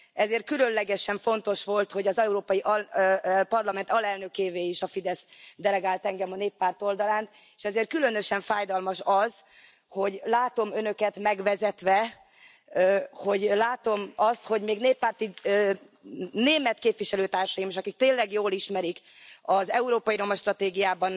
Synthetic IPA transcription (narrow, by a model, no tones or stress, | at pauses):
ɛzeːrt̪kylø̞nlɛɡɛʃɛɱfo̞n̪t̪o̞ʃʋo̞lt̪ho̞ɟɒzɛuɾoːpɒjiʔɒ | pɒrlɒmɛnt̪ɒlɛlnø̞keːveːiʃɒfid̪ɛsd̪ɛlɛɡaːlt̪ɛŋɡɛmɒneːpːaːrt̪o̞ld̪ɒlaːnt̪ | eːʃɛzeːrt̪̚kylø̞nøʃɛɱfaːjd̪ɒlmɒʃɒz | ho̞ɟlaːt̪o̞mønø̞kɛt̪mɛɡʋɛzɛt̪ʋɛ | ho̞ɟlaːt̪o̞mɒst̪ho̞ɟmeːɡneːpːaːrt̪i | neːmɛt̪keːpʋiʃɛløːt̪aːrʃɒjimeːʃɒkik̚t̪eːlɛɡjoːliʃmɛɾik | ɒzɛuɾoːpɒjiɾo̞mɒʃt̪rɒt̪eːɡijaːbɒn